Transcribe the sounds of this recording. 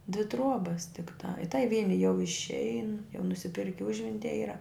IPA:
dʲʋʲɪ ˈtruɔbɐs tʲɪkˈtɐ ɪ tɐɪ ˈʋʲiɛnʲɪ jɛʊ ɪʃʲˈɛɪn jɛʊ nʊsʲɪˈpʲɪrʲkʲɪ ˈʊʒʲʋʲɛnʲtʲiɛ ˈiːrɐ

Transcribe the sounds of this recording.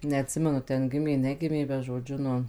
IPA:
nʲɛɐtʲˈsʲɪmʲɛnʊ ˈtʲɛn ˈɡʲɪmʲeː ˈnʲæːɡʲɪmʲeː bʲɛt ʒoːˈd͡ʒʲʊ ˈnʊ

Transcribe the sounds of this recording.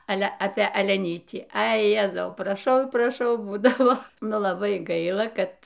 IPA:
ˈɑːlʲɛ ɐpʲeː ɐlʲɛˈnʲiːtʲiː ˈɐɪ ˈjæːzɐʊ prɐˈʃɐʊ prɐˈʃɐʊ ˈbuːdɐʋoː ˈnʊ lˠɐˈbɐɪ ˈɡɐɪlˠɐ ˈkɐt

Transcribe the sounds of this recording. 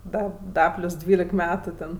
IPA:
ˈdɐ ˈdɐ ˈpʲlʲʊs ˈdʲʋʲiːlʲɛk ˈmʲæːtʊ tʲɛn

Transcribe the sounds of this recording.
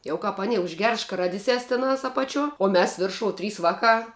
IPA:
ˈjɛʊ kɐp ɐˈnʲɪ ʊʒʲˈɡʲɛrs ʃkɐˈrɑːdʲɪsʲɛs tʲɪˈnɐs ɐpɐˈt͡ʃʲuɔ oː ˈmʲɛs ˈʋʲɪrʃoːʊ ˈtʲrʲiːs ˈʋɑːˌkɑː

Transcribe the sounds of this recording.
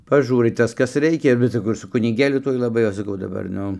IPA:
pɐˈʒuːrɐɪ ˈtɐs ˈkɐs ˈrʲɛɪkʲɛ bʲɛt sɐˈkɐʊ ɪr sʊ kʊnʲɪˈɡʲeːlʲʊ ˈtuɔj lˠɐˈbɐɪ ˈɐʃ sɐˈkɐʊ dɐˈbɐr ˈnʊ

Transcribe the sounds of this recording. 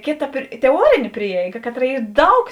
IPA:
ˈkʲeːˌtɐ tʲɛˈuɔrʲeːnʲeː ˈpʲrʲiɛɪɡɐ ˈkɑːˌtrɐ ˈiː ˈdɐʊk

